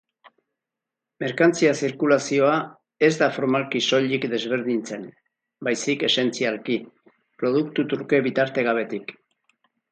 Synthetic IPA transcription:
me̞ɾkant͡siasiɾkulasio̞a | e̞zd̪afo̞ɾmalkiso̞ʎikd̪e̞zβe̞ɾðint͡se̞n | bajsike̞se̞nt͡sialki | pɾo̞ð̞ukt̪ut̪uɾke̞βit̪aɾt̪e̞ɣ̞aβ̞e̞t̪ik

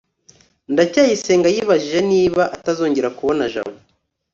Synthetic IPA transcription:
ndacaːjise̞ːŋɡajiːβaʒiʒe̞niːβaʔatazo̞ːɲɟeɾakuβo̞naʒa̰βo

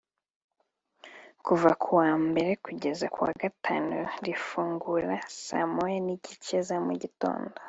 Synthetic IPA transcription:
kuvakʰuwaːmbe̞ɾe̞kuɟe̞zakwa̰ːɡatʰaːnuɾifuːŋɡuɾasa̰mojeniɟit͡ʃezamuɟito̞̰ːndo

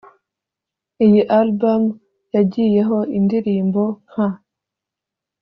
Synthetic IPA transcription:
ijiʔalbam | jaɟije̞ɦo̞indiɾiːmbo̞ŋ̥a

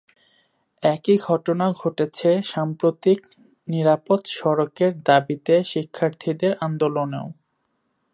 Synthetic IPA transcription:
ɛkiɡʱɔʈonaɡʱoʈet͡ɕʰeʃampɾot̪ik | niɾapot̪ʃɔɾokeɾd̪abit̪eʃikʰːaɾt̪ʰid̪eɾand̪oloneo

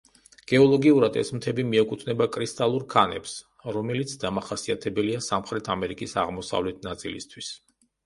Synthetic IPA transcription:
ɡ̥ɛɔlˠɔɡiuɾad̪ɛ̰smt̪ʰɛbimiɛkʼut̪ʰnɛbakʼɾist̪ʼalˠuɾkʰanɛ̰ps | ɾɔmɛlit̪sʰd̪amaχasiat̪ʰɛbɛliasamχɾɛt̪ʰamɛɾikʼisaʁmɔsa̰vlɛt̪̚ʰnat̪sʼḭlḭst̪ʰwis

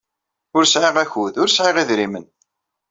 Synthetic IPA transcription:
ʊɾsʕɪʁæçuðʊɾsʕɪʁiðɾimən

